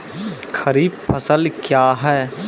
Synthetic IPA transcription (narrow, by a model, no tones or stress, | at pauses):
xʰɐɾiːb̚pʰɐsəlkjaːɦɛː